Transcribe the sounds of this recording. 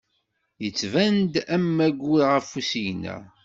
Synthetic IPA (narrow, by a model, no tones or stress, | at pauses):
jət͡sːvænd̪æmːæɡʷuɾʁəfusijnæ̰